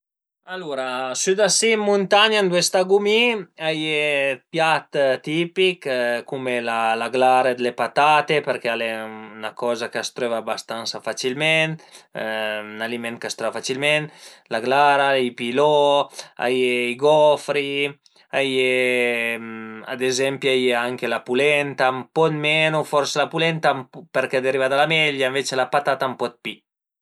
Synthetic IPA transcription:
aluɾasyd̪asimːunt̪aɲand̪wɛst̪aɡumiajepjat̪t̪ipikkumelalaɡlaɾed̪elepat̪at̪epeɾkealenakɔzakast̪ɾevabast̪ansafat͡ʃilmɛn | nalimɛnt̪̚kast̪ɾevafat͡ʃilmɛnlaɡlaɾaipilɔa̰jeiɡɔfɾi | aje | a̰d̪ezɛmpjajeaŋkelapulɛnt̪ampɔt̪mɛnufɔɾselapulɛnt̪ampeɾkɛd̪eɾivad̪alamɛʎaeɱvet͡ʃelapat̪at̪ampɔt̪̚pi

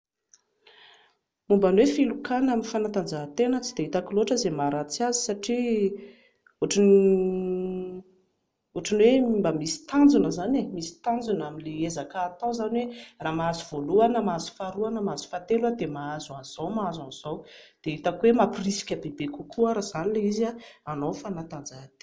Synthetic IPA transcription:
mumbanwefilukanaminfanat̪and͡zaɦt̪enət͡sid̪eit̪akiloʈ͡ʂəzemaɾat͡siazi̥saʈ͡ʂi | oʈ͡ʂini | oʈ͡ʂanwembamisi̥t̪and͡zunəzanemisi̥t̪and͡zunaminleezakaːt̪ãzaniweraːmaazuv̥oluanəmaazu̥faɾuanəmaazu̥fat̪elwad̪emaazuanz̥awmaazanz̥awd̪̥eit̪akwemapirisi̥kʲəbebekukuaɾaz̥anileizaanofanat̪and͡zaɦt̪e̥

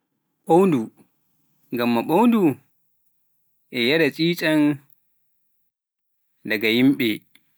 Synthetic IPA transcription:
ɓowndu | ŋɡamːaɓowndu | ʔɛjaɗat͡sʼiːt͡ʃʼan | daɡajimɓɛ

